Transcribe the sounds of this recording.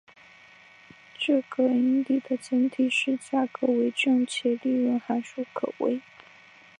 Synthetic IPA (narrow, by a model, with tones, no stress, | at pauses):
ʈ͡ʂɤ˥˩ɡə˧˥i˧˥ŋt̪i˥˩d̪ə˨t͡sə˧˥nt̪ʰi˨˩ʂɻ̩˥˧t͡ɕja˥˩kɤ˧˥we˧˥ɪʈ͡ʂɤ˥˩ŋt͡ɕʰjɛ˧˥li˥˧ɻə˥˩nxa˧˥nʂu˥˩kʰɤ˨˩wʔḛ˥ɪ